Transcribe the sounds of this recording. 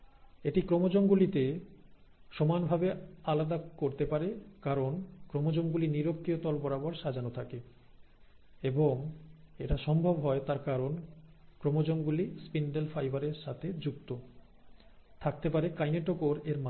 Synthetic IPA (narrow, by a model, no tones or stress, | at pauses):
eʈikɾomod͡ʑoŋɡulit̪e | ʃɔmanbʱabealad̪akoɾt̪epaɾekaɾonkɾomod͡ʑoŋɡuliniɾok̚t̪iot̪ɔlbɔɾaboɾʃad͡ʑanot̪ʰake | eboŋeʈaʃɔmbʱobɦɔet̪aɾkaɾonkɾomod͡ʑoŋɡulispinɖelfajbaɾeɾʃat̪ʰed͡ʑukt̪o | t̪ʰak̚t̪epaɾekajneʈokoɾeɾma